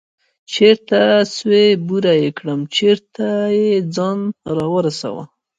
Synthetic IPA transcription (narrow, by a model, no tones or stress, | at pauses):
t͡ʃeɾt̪aswebuɾajekɽəmt͡ʃeɾt̪ajed͡zɑnɾɑwəɾasa̰wa̰